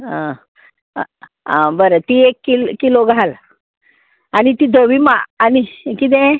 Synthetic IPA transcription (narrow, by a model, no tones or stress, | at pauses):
a | abəɾət̪iekːilkiloɡʱal | anit̪id̪ʱoʋimaːnikit̪̬ɛ̃